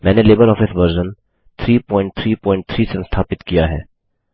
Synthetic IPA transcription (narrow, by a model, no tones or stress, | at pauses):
mɛ̃ːneleːbəɾɔːfʰɪsʋəɾd͡ʒən | t̪ʰɾiːpɔ̃ːɪ̃ɳʈ̚t̪ʰɾiːpɔ̃ːɪ̃ɳʈ̚t̪ʰɾiːsenst̪ʰaːpɪt̪kijaɦɛ̰ː